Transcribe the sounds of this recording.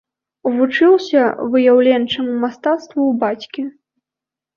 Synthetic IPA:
uvut͡ʂɨwsʲɐvɨjawlʲɛnt͡ʂɨmumast̪at̪st̪vuwbat͡sʲkʲi

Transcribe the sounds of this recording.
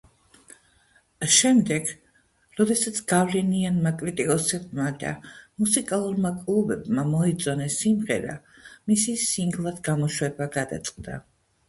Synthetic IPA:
ʃɛmd̪ɛɡ | ɾɔd̪ɛsat̪sʰɡ̥avlɛnianmakʼɾit̪ʼikʼɔsɛbmad̪a̰musikʼalˠuɾmakʼlˠubɛbmamɔit̪zʼɔnɛsimʁɛ̰ɾa̰misisiŋɡlˠad̪ɡamɔʃwɛbaɡad̪a̰t̪sʼqʼd̪a̰

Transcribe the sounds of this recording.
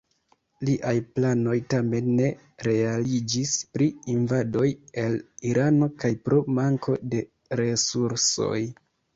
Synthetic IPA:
liʔajplano̞jtame̞nːe̞ | ɾe̞alid͡ʒispɾiinvado̞je̞liɾʔano̞kajpɾo̞maŋkʰo̞de̞ | ɾe̞suɾso̞̰j

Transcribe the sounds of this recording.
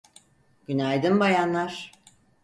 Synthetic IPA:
ɡ̥ynajd̪ɯmbajanlːˠaɾ̥

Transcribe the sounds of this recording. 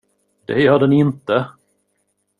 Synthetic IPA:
d̪̥ɛ̰jœːɖɛnɪnt̪ə

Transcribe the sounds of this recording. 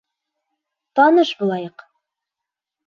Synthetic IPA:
t̪ɒnɤʃbulˠɑjɤq

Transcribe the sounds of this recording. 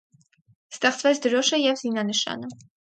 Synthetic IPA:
st̪ɛχt͡svɛt͡sʰd̪əɾɔʃəjɛvzinɑnəʃɑ̰nə

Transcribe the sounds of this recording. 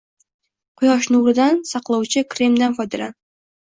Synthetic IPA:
qʰʊjɒʃ̬nʊɾɪd̪ansɑqlˠɑwt͡ʃʰɪkɾe̞md̪anfɒjd̪ɪla

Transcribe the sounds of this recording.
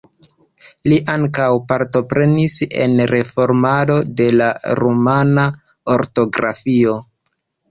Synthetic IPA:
liʔaŋkawpaɾto̞pɾe̞nise̞̰nɾe̞fo̞ɾmado̞de̞laɾomana | oɾto̞ɡɾa̰fio̞

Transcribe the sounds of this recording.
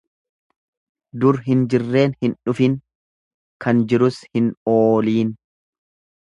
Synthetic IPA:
d̪ʊɾɦɪnd͡ʒɪrːe̞ːnhɪnᶑʊfɪŋ | kʰɐnd͡ʒɪɾʊshɪnoːliːn

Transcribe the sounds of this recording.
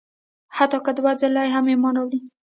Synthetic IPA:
hat̪ɑkad̪əwazalɑjɦamemɑnawɽi

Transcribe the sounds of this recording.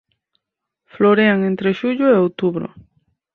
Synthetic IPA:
floɾeaŋẽnt̪ɾeʃuʎoeowt̪uβɾo̰

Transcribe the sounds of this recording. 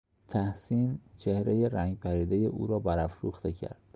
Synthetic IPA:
t̪ʰæhsiːnt͡ʃʰehɾejeɾæŋɡɟpʰæɾiːd̪ejeʔṵːɾɒːbæɾæfɾṵːxt̪ʰe̞cʰæ̰ɾd̪̥

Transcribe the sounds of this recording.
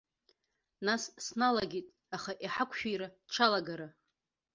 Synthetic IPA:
nassnalaɡʲitʼ | aχaʔiħakʷʰʃᶣijɾaʈ͡ʂʰalaɡaɾa

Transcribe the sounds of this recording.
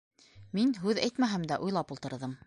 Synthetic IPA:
minɦʉðæjt̪mæɦæmd̪æʔujlˠɑpulˠt̪ɤ̆ɾðɤm

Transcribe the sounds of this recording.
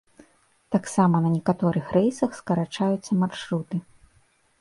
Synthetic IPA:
t̪aksamɐnɐnʲɛkat̪ɔɾɨxrɛjsɐxskɐɾat͡ʂajut̪sːɐmarʂɾut̪ɨ

